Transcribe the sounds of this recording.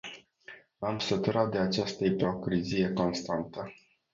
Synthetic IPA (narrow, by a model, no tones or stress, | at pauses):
amsət̪uɾat̪̚d̪e̞at͡ʃast̪əipo̞kɾizije̞ko̞nst̪ant̪ə